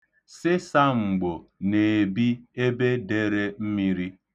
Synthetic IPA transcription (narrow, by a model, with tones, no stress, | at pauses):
sɪ˦sa˦ŋ͡m̩˨ɡ͡bo˨ne˨bi˦e˦be˦de˦ɾe˦m̩˦mi˦ɾi˦